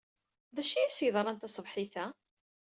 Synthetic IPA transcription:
ðæʃijæsjəðˤɾˤɑnt̪æsˤəvħiθæ

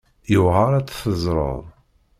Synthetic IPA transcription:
jʊʁəɾˤæt͡sːθəzˤɾˤə̰ðˤ

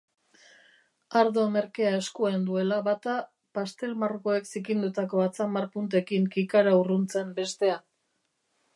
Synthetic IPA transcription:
aɾðo̞me̞ɾke̞ae̞skuend̪ue̞laβat̪a | past̪e̞lmarko̞e̞ksikind̪ut̪ako̞at͡samaɾpunt̪e̞kiŋkikaɾaurunt͡se̞mbe̞st̪e̞a

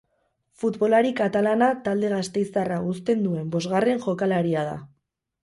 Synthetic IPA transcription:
fut̪βo̞laɾikat̪alanat̪ald̪e̞ɣ̞ast̪e̞jsaraust̪e̞nd̪ue̞mbo̞zɣare̞nʝo̞kalaɾiað̞a̰

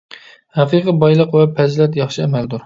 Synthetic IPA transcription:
hæqʰɨqʰəbɑjlˠəqwɛpʰɛzlɛt̪jɑχʃɨɛmæld̪uɾ

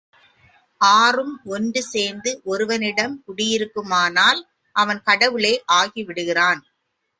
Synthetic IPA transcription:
ʔaːrɯmɔnɖɯseːnd̪ɯʔɔɾɯʋɐnɪɽɐmkʊɽɪjɪɾɯkːɯmaːnaːl | ʔɐʋɐnkɐɽɐʋɯɭeːʔaːɣiʋɪɽɯɣɪraːn

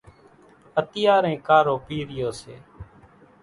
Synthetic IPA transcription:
ət̪ɪjaːɾɛ̃ːkaːɾoːpiːɾɪjoːsḛː

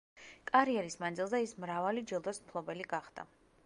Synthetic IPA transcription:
kʼaɾiɛɾismand̪zilˠzɛismɾavalid͡ʒilˠd̪ɔsmpʰlˠɔbɛliɡaχd̪̥a̰

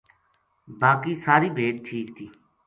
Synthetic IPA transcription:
baːkiːsaːɾiːbʱeːʈ̚ʈʰiːkt̪ʰiː

